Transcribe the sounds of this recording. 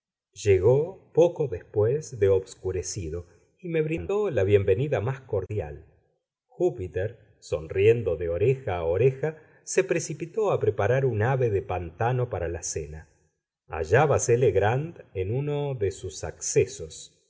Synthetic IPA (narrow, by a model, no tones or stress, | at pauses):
ʒ̥eɣopokoðespwezðeoβskuɾesiðo̞ | ime̞βɾinolaβje̞mbe̞niðamasko̞ɾðja̰l | xupit̪eɾ | so̞̰nrje̞nd̪o̞ðeoɾexaːoɾexa | se̞pɾe̞sipit̪oapɾepaɾaɾunaβe̞ðepant̪ano̞paɾalasena | a̰ʒaβaseleɣɾand̪enuno̞ðesusa̰ksesos